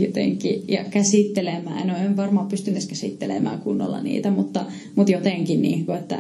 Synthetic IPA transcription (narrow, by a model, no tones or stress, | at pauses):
jot̪ḛŋkːˑijɑ̰kæsiˑt̪ːelemæːnoemʋɑrmɑppːyst̪ynːeskæsḭˑt̪ːelḛmæ̰ːkunːo̰lːɑ̰nḭːt̪æmut̪ːɑ | mut̪jot̪eˑŋkinnḭːkuet̪ːæ̰